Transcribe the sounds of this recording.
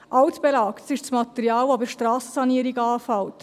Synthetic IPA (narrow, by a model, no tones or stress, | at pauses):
ʔɑwtb̥ɛlɑːktsɪʃt͡smɑt̪ɛɾiɑːwɔbəɾʃtɾɑːsəsɑniəɾiɡɑːfɑwt